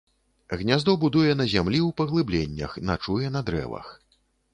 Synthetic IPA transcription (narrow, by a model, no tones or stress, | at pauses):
ɣnʲazd̪ɔbud̪ujɛn̪ɐzʲamlʲiwpɐɣlˠɨblʲenʲːɐ̰xnat͡ʂujɛn̪ɐd̪ɾɛ̰vɐ̰x